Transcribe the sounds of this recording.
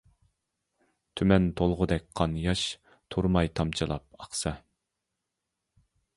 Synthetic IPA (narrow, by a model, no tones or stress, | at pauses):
t̪ʰymɛnt̪ʰolˠʁʊd̪ɛk̚ʲqʰɑnjɑʃ | t̪ʰuɾmɑjt̪ʰɑmt͡ʃʰɨlˠɑp̚ɑχsɑ